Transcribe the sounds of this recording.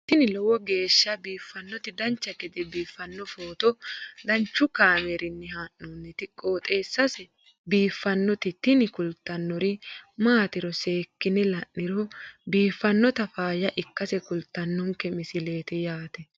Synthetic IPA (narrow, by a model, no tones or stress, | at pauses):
t̪ɪnɪlɔwɔɡe̞ːʃːɐbiːfːɐnːɔt̪ɪd̪ɐnt͡ʃːɐkɛd̪ɛbiːfːɐnːɔfoːt̪ɔd̪ɐnt͡ʃːʊkaːmɛɾɪnːɛɦaːnːunːɪt̪ɪkʼːo̞ːt̪ʼeːsːɐsɛ | biːfːɐnːɔt̪ɪt̪ɪnɪkʊlt̪ːɐnːɔɾɪmaːt̪ɪɾɔse̞ːkːɪnɛlɐʔːɪɾɔbiːfːɐnːɔt̪ɐfaːjɐʔɪkːɐsɛkʊlt̪ːɐnːɔŋkɛmɪsɪleːt̪ɛjaːt̪ɛ